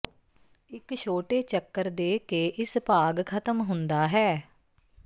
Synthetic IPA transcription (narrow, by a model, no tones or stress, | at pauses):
ɪkʃʰoːʈeːt͡ʃəkːəɾd̪eːkeːʔɪspaːɡkʰət̪əmɦʊnd̪aːɦɛː